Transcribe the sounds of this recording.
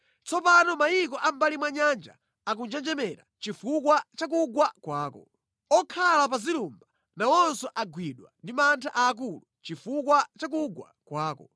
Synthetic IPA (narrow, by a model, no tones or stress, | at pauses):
t͡sɔpanɔmajik̬ɔʔambalimwaɲand͡ʒa̰ | ak̬und͡ʒɛnd͡ʒɛmɛɾa̰t͡ʃifukwat͡ʃak̬uɡwakwaːkɔ̰ | ɔkʰalapazilumba | nawɔnsɔʔaɡwiɗwa̰ndimantʰaʔaːk̬ulut͡ʃifukwat͡ʃak̬uɡwa̰kwaːkɔ